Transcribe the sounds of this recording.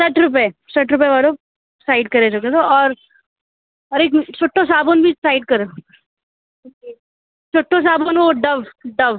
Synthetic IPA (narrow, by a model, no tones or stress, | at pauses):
sɐʈʰɾʊp̬esɐʈʰɾʊpeʋaːlo | saːɪɖ̚kɐɾet͡ʃoket̪oɔːɾ | ɐɾeːkt͡ʃʰoːʈʰːõs̬aːbonbʱisaːɪɖ̚kɐɾe | t͡ʃoːʈʰːõs̬aːbonoɖɐʋɖɐʋ